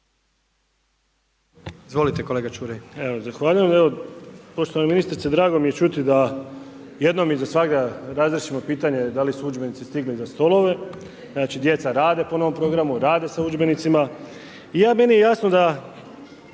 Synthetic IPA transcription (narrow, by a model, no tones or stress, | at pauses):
izʋo̞lit̪eko̞leɡat͡ʃuːɾejeozaxʋaːʎujemeʋo̞po̞ʃt̪oaneminist̪ɾit̪ed̪ɾaːɡo̞mije̞t͡ʃut̪id̪a | je̞d̪no̞mizasʋaɡd̪aɾazɾeʃimo̞piːt̪aɲe̞d̪alisuud͡ʒbe̞nit̪sist̪iɡlizast̪o̞lo̞ʋe̞ | znaːt͡ʃid̪je̞t̪saɾaːd̪e̞po̞no̞ʋo̞mpɾo̞ɡɾamuɾaːd̪e̞saud͡ʒbe̞nit̪sima | ijaːme̞nijejasnod̪a